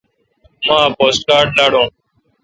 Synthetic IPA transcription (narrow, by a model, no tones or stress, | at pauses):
mãːpoːsʈ̚kaːɾɖlaːɽõː